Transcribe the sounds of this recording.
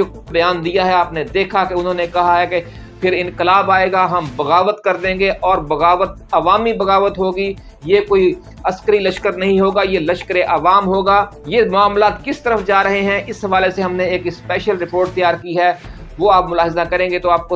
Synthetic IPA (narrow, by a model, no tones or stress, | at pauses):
o | bɐjaːnd̪ijaɦɛaːpned̪eːkʰakeʊnɦõːnekɐɦaɦɛke | pʰɪɾɪ̃nkɪlaːbaːeːɡaɦɐmbɐɣaːʋət̪kɐɾd̪ẽːɡeʔɔːɾbɐɣaːʋət̪̚ɐʋaːmibɐɣaːʋət̪ɦoːɡi | jekoːi | ɐskəɾilɐʃkəɾnɐɦĩɦoːɡajelɐʃkəɾeʔaːʋaːmɦoːɡaːjemʊaːmlaːt̪kɪst̪ɐɾəfd͡ʒaːɾɐɦeɦɛ̃ʔɪsɦɐʋaːleseɦɐmneeːkspɛːʃəlɾɪpoːɾʈ̚t̪ɪjaːɾkiɦɛː | ʋoaːpmʊlaːɦɪzakɐɾẽːŋɡet̪oaːp̚ko